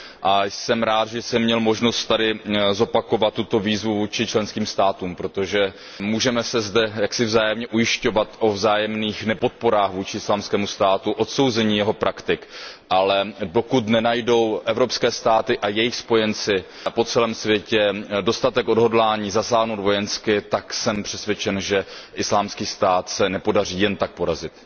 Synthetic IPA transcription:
ʔasɛmɾaːt̪ʒɛsɛmːɲɛlmo̞ʒno̞st̪̚t̪adɪzo̞pako̞vat̪̚ːut̪o̞viːzvuvuːt͡ʃɪt͡ʃlɛnskiːmst̪aːt̪uːmpɾo̞t̪o̞ʒɛ | muːʒɛmɛsɛzdɛjaksɪvzaːjɛmɲɛʔujɪʃco̞vat̪ʔo̞vzaːjɛmniːxnɛpo̞t̪̚po̞ɾaːxvuːt͡ʃɪɪslaːmskɛːmust̪aːt̪uʔo̞t̪so̞wzɛɲiːjɛɦo̞pɾʔakt̪ɪkʔalɛdo̞kut̪nɛnajdo̞wʔɛvɾopskɛːst̪aːt̪ɪʔajɛjɪxspo̞jɛnt͡sɪ | po̞t͡sɛlɛːmsvjɛcɛdo̞st̪at̪ɛko̞dɦo̞dlaːɲiːzasaːɦnowd̪vo̞jɛnskɪt̪aksɛmpr̥ɛsvʲjɛt͡ʃɛnʒɛʔɪslaːmskiːst̪aːt̪sɛnɛpo̞dar̝iːjɛnt̪ak̚po̞ɾazɪt̪

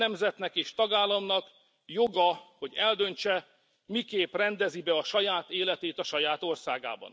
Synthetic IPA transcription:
ɛmzɛt̪nɛkeːʃt̪ɒɡaːlːɒmnɒk | joɡɒho̞ɟɛld̪ø̞nt͡ʃɛ | mikeːprɛnd̪ɛzibɛɒʃɒjaːt̪eːlɛt̪eːt̪ɒʃɒjaːt̪o̞rsaːɡa̰ːbɒ̰n

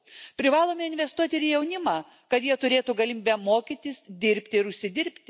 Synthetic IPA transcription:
pʲɾʲɪʋɑːlˠoːmʲeɪnʲʋʲɛst̪uɔt̪ʲɪɾɪjɛʊnʲɪmɑː | kɐt̪jiɛt̪ʊɾʲeːt̪uɡɐlʲɪmiːbʲɛmoːkʲit̪ʲɪsd̪ʲɪɾʲpʲt̪ʲɪɪɾʊʃʲsʲɪd̪ʲɪɾʲpʲt̪ʲɪ

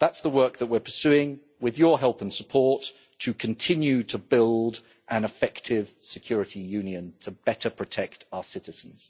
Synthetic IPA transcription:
ðatsðəwɜˑ˞k̚ðəʔ̚wɪəɹpʰəsʉːɪ̃ŋ | wɪðjəɦɛlˠpə̃nsəpʰɔɹtʰ | əkʰə̃ntʰɪ̃njʉtʰəbɪlˠd | ʔə̃nɪfɛktʰɪv̥sɪkʰj̥ɔːɹɪtijʉ̃njə̃ntʰəb̥ɛtəpʰɹ̥ətʰɛk̚taʊəsɪɾɪz̥ə̃n̩z̥

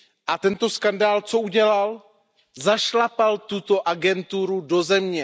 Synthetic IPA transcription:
ʔat̪ɛnt̪o̞skandaːlt͡so̞ʔuɟɛlal | zaʃlapalt̪ut̪o̞ʔaɡɛnt̪uɾudo̞zɛmɲɛ

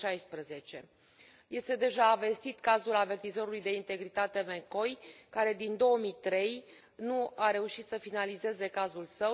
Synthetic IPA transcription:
ʃajspɾəze̞t͡ʃe̞ | je̞st̪e̞d̪e̞ʒaːve̞st̪it̪kazulave̞rt̪izo̞ɾulujd̪e̞int̪e̞ɡɾit̪at̪e̞meko̞jkaɾe̞d̪ind̪o̞omit̪ɾe̞j | nuaɾe̞uʃit̪səfinalize̞ze̞kazulsə

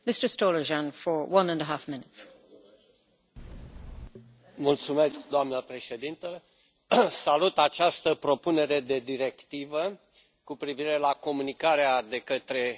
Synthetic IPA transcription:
mɪstə˞stoləʒãnfə˞wʌ̃nə̃nəɦafmɪ̃nɪts | mult̪sume̞sk̚d̪oamnəpɾe̞ʃe̞d̪int̪ə | salut̪at͡ʃast̪əpɾo̞pune̞ɾe̞d̪e̞d̪iɾe̞kt̪ivə | kupɾiviɾe̞lako̞munikaɾead̪e̞kət̪ɾe̞

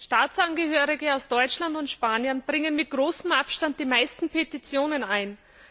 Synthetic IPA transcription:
ʃtaːt͡sanɡəhøːʁɪɡəaʊsd̥ɔʏt͡ʃlandʊntʃpaːnjənb̥ʁɪŋənmɪt̚ɡ̥ʁoːsm̩ʔapʃtant̚d̥iːmaɪstn̩pʰetit͡sjoːnənaɪn

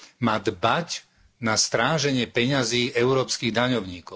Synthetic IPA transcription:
maːd̪bac | nast̪ɾaːʒɛɲɪɛpɛɲaziːʔɛʊɾɔːpskiːɣd̪aɲɔʊɲiːkɔʊ

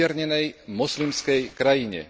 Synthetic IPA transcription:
ɛɾɲɛnɛjmɔslimskɛjkɾajiɲɛ̰

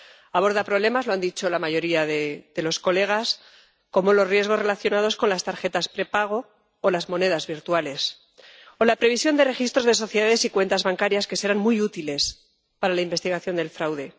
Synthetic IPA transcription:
aβo̞ɾðapɾo̞β̞le̞mazlo̞and̪it͡ʃo̞lamaʝo̞ɾiaðeðe̞lo̞sko̞le̞ɣ̞as | ko̞mo̞lo̞zrjeɣo̞zre̞laθjo̞naðo̞sko̞nlast̪aɾxe̞t̪aspɾe̞paɣ̞o̞ː | lazmo̞ne̞ð̞azβiɾt̪wale̞s | o̞lapɾeβisjo̞nd̪ere̞xist̪ɾo̞zðe̞s̬o̞θje̞ðaðe̞sikwe̞nt̪azβaŋkaɾjaske̞se̞ɾanmujut̪ile̞s | paɾalaimbe̞st̪iɣ̞aθjo̞nd̪e̞lfɾawðe̞

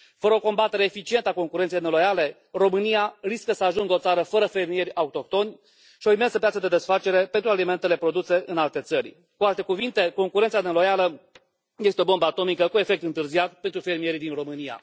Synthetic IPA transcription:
fəɾəoko̞mbat̪e̞ɾe̞ːfit͡ʃie̞nt̪əako̞ŋkuɾent̪sejnelo̞jale̞ | ro̞mɨnijariskəsəaʒuŋɡəo̞t̪saɾəfəɾəfe̞rmije̞rʲaut̪o̞k̚t̪o̞nʲ | ʃio̞ime̞nsəpjat̪səd̪e̞d̪e̞sfat͡ʃe̞ɾe̞pent̪ɾualime̞nt̪e̞le̞pɾo̞d̪use̞ʔɨnalt̪e̞t̪sərʲ | kualt̪e̞kuvint̪e̞ko̞ŋkuɾent̪sanelo̞jalə | je̞st̪eo̞bo̞mbəat̪o̞mikəkue̞fe̞k̚t̪ɨnt̪ɨrziat̪̚pent̪ɾufe̞rmije̞ɾid̪inro̞mɨnija̰

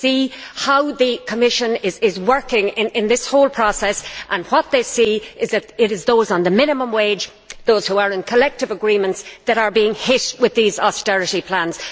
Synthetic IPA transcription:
si | haʊðɨkʰəmɪʃə̃nɪzɪzwɜ˞kɪ̃ŋɪ̃nɪ̃nðɪshoʊlˠpʰɹ̥ɔsɛsʔə̃nwʌt̪̚ðeɪsiɪzðɨɾɪɾɪzðoʊzn̩ðəmɪ̃nəmə̃mweɪd͡ʒ | ðoːz̥huə˞ɪ̃nkʰəlɛk̚tɨvəɡɹĩmə̃ntsðəɾə˞biɪ̃ŋhɪtwɪðiːzɔstɛɹɨɾipʰl̥ãnz̥

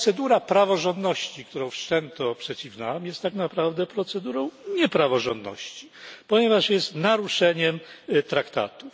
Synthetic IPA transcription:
t̪sɛd̪uɾapɾavɔʐɔnd̪nɔɕt͡ɕik̚t̪uɾɔ̃w̃fʂt͡ʂɛnt̪ɔpʂɛt͡ɕivnawamjɛst̪ːaknapɾavd̪ɛpɾɔt̪sɛd̪uɾɔ̃w̃ɲɛpɾavɔʐɔ̰nd̪nɔ̰ɕt͡ɕi̥pɔɲɛvaʂjɛst̪naɾuʂɛɲɛmt̪ɾakt̪a̰t̪u

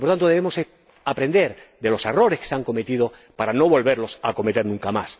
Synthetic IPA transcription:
poɾt̪ant̪oðeemose | apɾe̞nd̪e̞ɾd̪e̞lo̞se̞ro̞ɾeske̥seaŋkome̞t̪ið̞o | paɾano̞β̞o̞lβe̞ɾlo̞sako̞met̪enũŋkama̰s

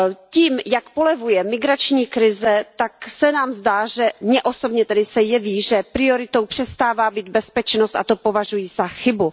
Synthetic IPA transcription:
ciːmjakpolɛvujɛmɪɡɾat͡ʃɲiːkɾɪzɛt̪aksɛnaːmzdaːʒɛmɲɛʔoso̞bɲɛt̪ɛdɪsɛjɛviːʒɛpɾɪo̞ɾɪt̪o̞wpr̝̥ɛst̪aːvaːbiːd̪̚bɛspɛt͡ʃnost̪ʔat̪o̞po̞vaʒujiːz̥axɪbu

